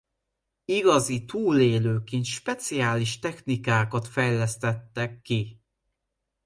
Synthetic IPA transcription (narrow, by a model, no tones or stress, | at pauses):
iɡɒzit̪uːleːløːkint̪ʃpɛt̪sijaːliʃt̪ɛxnikaːkɒt̪fɛjlɛst̪ɛt̪ːɛkːi